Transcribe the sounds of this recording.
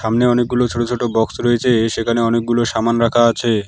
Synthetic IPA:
ʃamneɔnek̚ɡulot͡ɕʰoʈot͡ɕʰoʈobɔksɾoet͡ɕʰeʃekʰaneɔnek̚ɡuloʃamanɾakʰaat͡ɕʰe

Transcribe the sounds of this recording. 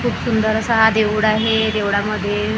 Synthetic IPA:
kʰuːbsund̪əɾəsəɦad̪eʋuɽaɦed̪eʋɽaməd̪ʱːje

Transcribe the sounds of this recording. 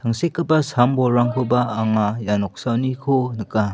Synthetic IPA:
tʰaŋsekːɯbasambɔɾaŋkʰubaːŋajanɔk̚sawnikʰonɯka

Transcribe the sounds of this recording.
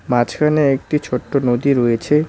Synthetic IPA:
mãt͡ɕkʰaneek̚ʈit͡ɕʰoʈːonod̪iɾojet͡ɕʰe

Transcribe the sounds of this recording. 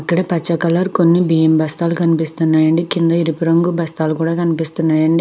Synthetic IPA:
ɐkːɐɽɐpɐt͡ʃːɐkɐlɐɾko̞nːibijembɐst̪aːlukɐnipist̪unːaːjɐɳɖikind̪ɐiɾipiɾɐŋɡubɐst̪aːlukuːɽaːkɐnipist̪unːaːjɐɳɖi

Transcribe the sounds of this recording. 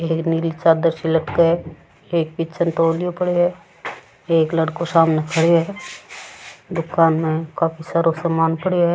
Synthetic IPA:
eːknilit͡ʃaːd̪əɾsiləʈkaɦɛ | eːk̚bɪtt͡ʃənʈoːljopəɽeɦɛ | eːklɐɽkosaːmnekʰəɽeɦɛ | d̪ʊkaːnmẽkaːfisaːɾosɐmaːnpəɽeɦɛ

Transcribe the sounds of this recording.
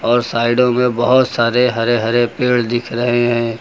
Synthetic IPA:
ɔːɾsaːɪɖõmẽbɐɦʊt̪saːɾeɦɐɾeɦɐɾepeːɽd̪ɪkʰɾɐɦeɦɛ̃ː

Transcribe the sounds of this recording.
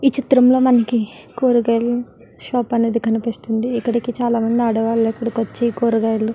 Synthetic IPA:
iːt͡ʃit̪ɾɐmlo̞ːmɐnɐkikoːɾuɡɐjlu | ʃaːpɐne̞ːd̪ikɐnipist̪und̪iːkːɐɽikit͡ʃaːlaːmɐnd̪iɐɽɐʋaːlopːuɽɐkʋɐt͡ʃːekoːɾuɡaːjlu

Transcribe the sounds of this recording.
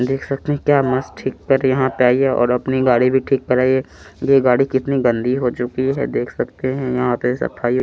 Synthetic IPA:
d̪eːkʰsɐk̚t̪eɦɛ̃kjaːmɐsʈʰiːkːɐɾjɐɦãpeaːiɛʔɔ̰ːɾɐpniɡaːɽibʱiʈʰiːkːɐɾaːiɛ | jeɡaːɽikɪt̪niɡɐ̃nd̪ʱiɦot͡ʃʊkiɦɛ̰d̪eːkʰsɐkt̪eɦɛ̃jɐɦãt̪esɐ̰pʰaːi

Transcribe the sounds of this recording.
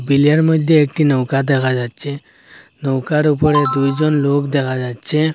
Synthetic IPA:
biljaɾməd̪ʱjeek̚ʈinɔwkad̪ekʰad͡ʒad̪t͡ʃʰe | nɔwkaɾupəɾed̪ujd͡ʒɔnloːkd̪ekʰad͡ʒad̪t͡ʃʰe

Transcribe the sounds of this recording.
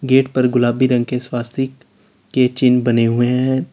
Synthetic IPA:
ɡeːʈpɐɾɡʊlaːbiɾɐ̃ŋɡ̚keswaːst̪ʰi | ket͡ʃɪnbɐneɦʊeɦɛ̃

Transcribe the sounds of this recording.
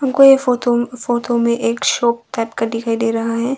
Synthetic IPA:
ɦɐmkojefoːt̪ofoːtomẽʔeːkʃɔːp̚ʈɛːpkaɖɪkʰaːid̪eːɾɐɦaɦɛː

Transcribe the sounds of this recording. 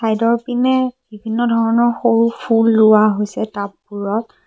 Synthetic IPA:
sajdɔɹpinɛbibʱinːɔdʱɔɹɔnɔɹxoɹupʰulːʊwaɦojsɛtapːuɹɔt̚

